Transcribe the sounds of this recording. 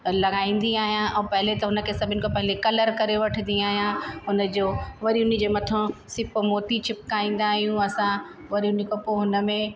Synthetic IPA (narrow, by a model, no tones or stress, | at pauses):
lɐɡaːĩːn̆d̪iaːɦijãʔɛ̃ːpɐɦɪlet̪ɐɦʊnə̆kʰesɐbʱɪnɪ̆kʰopɐɦɪlekɐləɾkɐɾeʋɐʈʰə̃nd̪ĩaːɦijãɦʊnə̆d͡ʑoːʋɐɾiɦʊnid͡ʑeːmɐt̪ʰõsɪpmoːʈ̪it͡ɕʰɪp̚kaːĩːn̆d̪aːɦijũɐsã | ʋɐɾiɦʊnikopoɦʊnə̆mẽ